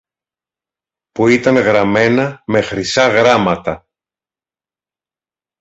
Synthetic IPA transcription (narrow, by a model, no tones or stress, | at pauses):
puit̪ɐŋɣɾɐme̞nɐme̞xɾisɐɣɾɐmɐt̪ɐ